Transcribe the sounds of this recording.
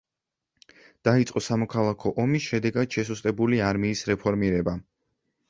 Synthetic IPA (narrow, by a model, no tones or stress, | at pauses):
d̪̥ait̪sʼqʼɔsamɔkʰalˠakʰɔʔɔmisʃɛd̪ɛɡad̪̥ʃɛsust̪ʼɛbuliaɾmiːsɾɛpʰɔɾmiɾɛba